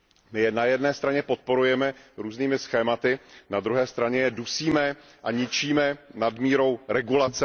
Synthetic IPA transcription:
mɪjɛnajɛdnɛːst̪ɾaɲɛpo̞t̪̚po̞ɾujɛmɛɾuːzniːmɪsxɛːmat̪ɪnad̪ɾuɦɛːst̪ɾaɲɛjɛdusiːmɛ | ʔaɲɪt͡ʃiːmɛnadmiːɾo̞wɾɛɡulat͡sɛ

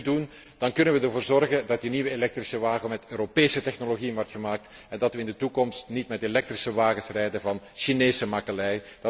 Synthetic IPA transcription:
dun | d̥ɑnkɵnənʋədərvoːrzɔrɣəndɑt̚diniʋəelɛk̚trisəʋaːɣəmɛtøːɾopeːsətɛxnoloɣijənʋɔrtxəmaːk̚tɛndɑtʋəɪndətukɔmstnitmɛtelɛk̚trisəʋaːɣəsrɛjdənvɑnʃineːsəmɑkərɛjdɑ

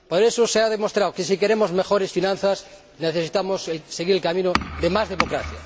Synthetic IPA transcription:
poɾesoseaðemost̪ɾawkesikeɾemozmexoɾesfinãn̟θas | neθesit̪amoselseɣiɾelkamĩnoðemazðemokɾa̰θja̰

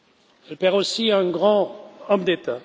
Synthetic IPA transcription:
ɛlpɛʁosiɛ̃ɡʁɑ̃ɔmd̪et̪a

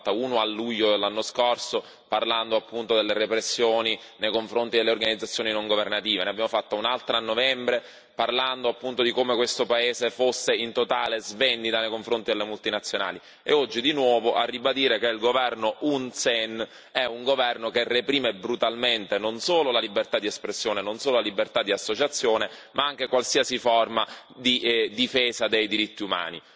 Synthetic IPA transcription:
t̪ːaunoalːuʎːod̪elːanːoskorso | parland̪oapːunt̪od̪elːerepɾesːjoːni | nejkoɱfɾont̪id̪elːeorɡanid̪zːat̪sːjoːninoŋɡovernat̪iːveneabjaːmofat̪ːaunalt̪ɾanːovɛmbɾe | parland̪oapːunt̪od̪ikomekwest̪opaeːzefosːeint̪ot̪aːlezvend̪it̪anejkoɱfɾont̪id̪elːemult̪inat̪sːjona̰ːli | ḛɔd͡ʒːid̪inwɔːvoʔa̰rːibad̪iːɾekeilɡovɛrnoʔunsɛn | ɛuŋɡovɛrnokerːepɾiːmebɾut̪alment̪enonsoːlolalibert̪ad̪iespɾesːjoːnenonsoːlolalibert̪ad̪ːiasːot͡ʃat̪sːjoːnemʔaaŋk̟ekwalsiasifɔrma | d̪id̪ifeːsad̪ejd̪iɾit̪ːiuma̰ːnḭ

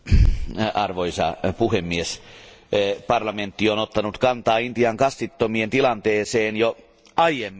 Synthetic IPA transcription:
ɑrʋoisɑ̰puhemːies | pɑrlɑment̪ːionot̪ːɑnut̪kɑnt̪ɑːint̪iɑŋkɑst̪it̪ːomient̪ilɑnt̪eːseːnjo | ɑjemːi

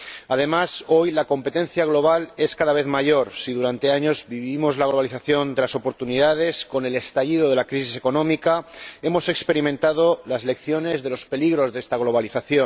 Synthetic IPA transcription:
að̞e̞maso̞jlako̞mpe̞t̪ẽ̞nθjaɣ̞lo̞β̞ale̞skaðaβe̞θmaʝo̞ɾsiðuɾant̪e̞aɲo̞zbiβimo̞zlaɣlo̞β̞aliθaθjo̞nd̪e̞laso̞po̞ɾt̪uniðað̞e̞sko̞ne̞le̞st̪aʎiðo̞ð̞e̞lakɾis̬iseko̞nõ̞mikae̞mo̞se̞kspe̞ɾimẽ̞nt̪að̞o̞lazle̞kθjo̞ne̞zðe̞lo̞spe̞liɣɾo̞zðest̪aɣ̞lo̞β̞aliθaθjon

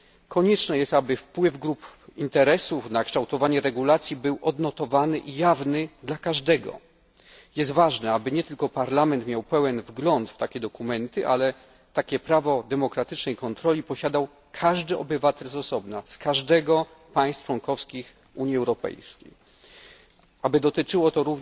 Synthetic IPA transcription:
kʰɔɲɛt͡ʂnɛjɛst̪abɘfpwɘvɡɾupint̪ɛɾɛsufnakʂt̪awt̪ɔvaɲɛɾɛɡulat̪sʲjibɘwʔɔd̪nɔt̪ɔvanɘʔijavnɘd̪lakaʐd̪ɛɡɔ̰ | jɛs̬t̪vaʐnɛabɘɲɛt̪ɘlkɔpaɾlamɛnt̪mʲjawpɛwɛnvɡlɔnt̪ft̪akʲɛd̪ɔkumɛnt̪ɘʔa̰lɛ | t̪akʲɛpɾavɔd̪ɛmɔkɾat̪ɘt͡ʂnɛjkɔnt̪ɾɔlʲipɔɕad̪aw | kʰaʐd̪ɘɔ̰bɘvat̪ɛlzɔsɔbnaskaʐd̪ɛɡɔ | paj̃st̪t͡ʂwɔŋkɔfskʲix | uɲjiɛwɾɔpɛ̰jskʲḛj | ʔabɘd̪ɔt̪ɘt͡ʂɘwɔt̪ɔɾuv

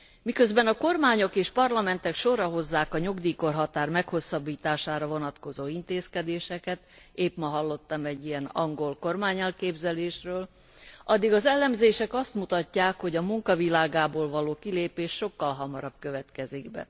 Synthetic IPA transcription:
mikø̞zbɛnɒko̞rmaːɲokeːʃpɒrlɒmɛnt̪ɛkʃo̞ɾɒɦo̞zːaːkɒɲoɡd̪iːko̞rɦɒt̪aːrmɛkho̞sːɒbːiːt̪aːʃaːɾɒvo̞nɒt̪ko̞zoːint̪eːskɛd̪eːʃɛkɛt̪ | eːpmɒɦɒlːo̞t̪ːɒmɛɟːijɛnɒŋɡo̞lko̞rmaːɲɛlkeːbzɛleːʃrøːl | ʔɒd̪ːiɡɒzɛlːɛmzeːʃɛkɒst̪mut̪ɒcːaːkho̞ɟɒmuŋkɒvilaːɡaːboːlvɒloːkileːpeːʃːo̞kːɒlɦɒmɒɾɒbkøvɛt̪kɛziɡbɛ̰

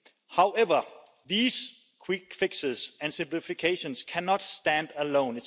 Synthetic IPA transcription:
haʊʔɛʋə | ðiːs | kʰw̥ɪk̚fɪɡsəsæ̃nsɪ̃mplifikʰeɪʃɔ̃nskʰænɑd̥stæ̃ndəlõʊ̃nɪ

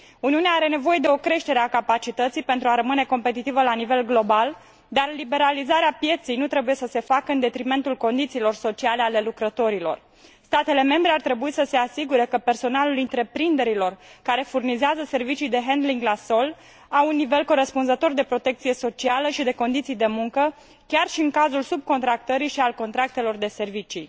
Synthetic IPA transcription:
uniuneaaɾe̞ne̞vo̞je̞d̪e̞o̞kɾe̞ʃt̪e̞ɾeakapat͡ʃit̪ət̪sijpe̞nt̪ɾuaɾəmɨne̞ko̞mpe̞t̪it̪ivəlanive̞lɡlo̞bal | d̪arlibe̞ɾalizaɾeapje̞t̪sijnut̪ɾe̞buje̞səse̞fakəɨnd̪e̞t̪ɾime̞nt̪ulko̞nd̪it̪siːlo̞rso̞t͡ʃiale̞ale̞lukɾət̪o̞ɾilo̞̰r | st̪at̪e̞le̞me̞mbɾe̞art̪ɾe̞buisəse̞asiɡuɾe̞kəpe̞rso̞nalulint̪ɾe̞pɾind̪e̞ɾilo̞rkaɾe̞furnizeazəse̞rvit͡ʃijd̪e̞ɦend̪liŋɡlaso̞l | awunːive̞lko̞ɾe̞spunzət̪o̞rd̪e̞pɾo̞t̪e̞k̚t̪sije̞so̞t͡ʃialəʃid̪e̞ko̞nd̪it̪sijd̪e̞muŋkə | kʲarʃiɨŋkazulsub̚ko̞nt̪ɾak̚t̪əɾiʃialko̞nt̪ɾak̚t̪e̞lo̞rd̪e̞se̞rvit͡ʃi

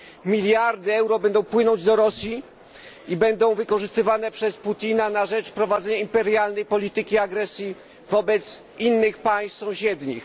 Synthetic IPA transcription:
mʲilʲjaɾd̪ɘɛwɾɔbɛnd̪ɔ̃w̃pwɘnɔɲd͡ʑd̪ɔɾɔsʲji | ibɛnd̪ɔ̃w̃vɘkɔʐɘst̪ɘvanɛpʂɛsput̪ʲinanaʐɛt͡ʂpɾɔvad̪zɛɲaimpɛɾjalnɛjpɔlʲit̪ɘkʲiaɡɾɛsʲji | vɔbɛt̪s | inːɘxpaj̃ssɔ̃w̃ɕɛd̪ɲḭx

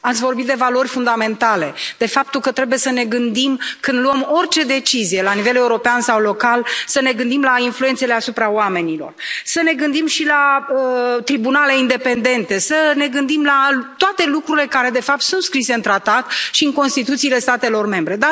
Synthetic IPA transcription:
at̪sʲvo̞rbit̪̚d̪e̞valo̞rʲfund̪ame̞nt̪ale̞d̪̥e̞fap̚t̪ulkət̪ɾe̞buje̞səne̞ɡɨnd̪imkɨnd̪luəmo̞rt͡ʃe̞d̪e̞t͡ʃizije̞lanive̞le̞uɾo̞peansawlo̞kalsəne̞ɡɨnd̪imlainflujet̪se̞le̞asupɾaowame̞nilo̞̰rsəne̞ɡɨnd̪imʃilaət̪ɾibunale̞ind̪e̞pe̞nd̪e̞nt̪e̞səne̞ɡɨnd̪imlat̪oat̪e̞lukɾuɾile̞kaɾe̞d̪e̞fap̚t̪sunt̪skɾise̞ɨnt̪ɾat̪at̪ʃiɨnŋko̞nst̪it̪ut̪siːle̞st̪at̪e̞lo̞rme̞mbɾe̞d̪a

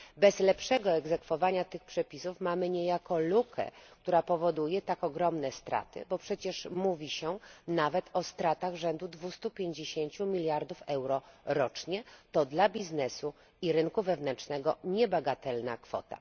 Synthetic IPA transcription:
bɛzlɛpʂɛɡɔɛɡzɛkfɔvaɲat̪ɘxpʂɛpʲisufmamɘɲɛjakɔlukʰɛ̰kt̪uɾapɔvɔd̪ujɛt̪akɔɡɾɔmnɛst̪ɾa̰t̪ɘ̰bɔpʂɛt͡ɕɛʂmuvʲiɕɛnavɛt̪ʰɔst̪ɾat̪aɣʐɛnd̪ud̪vust̪upʲjeɲd͡ʑeɕeɲt͡ɕumʲilʲjaɾd̪ufɛwɾɔɾɔt͡ʂɲɛt̪ɔd̪labʲiznɛsu | iɾɘnkuvɛvnɛnt͡ʂnɛɡɔɲɛbaɡat̪ɛlna̰kfɔ̰t̪a̰

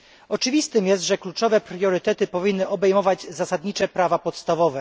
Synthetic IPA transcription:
ɔt͡ʂɘvʲist̪ɘmjɛst̪ʐɛklut͡ʂɔvɛpɾjɔɾɘt̪ɛt̪ɘpɔvʲinːɘʔɔbɛjmɔvad͡ʑzasad̪ɲit͡ʂɛpɾavapɔt̪st̪avɔvɛ

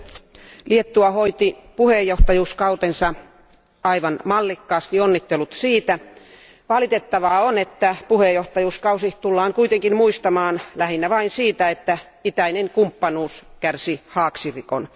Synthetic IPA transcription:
liet̪ːuɑhoit̪ipuhejːoht̪ɑjuːskɑut̪ensɑ | ɑiʋɑnmɑlːikːɑːst̪ionːit̪ːelut̪siːt̪æ | ʋɑlit̪et̪ːɑʋɑːonet̪ːæpuhejoht̪ɑjuːskɑusiht̪ulːɑːŋkuit̪eŋkinmuist̪ɑmɑːnlæhinːæʋɑinsiːt̪æet̪ːæ | it̪æineŋkumpːɑnuːskærsihɑːksirikon

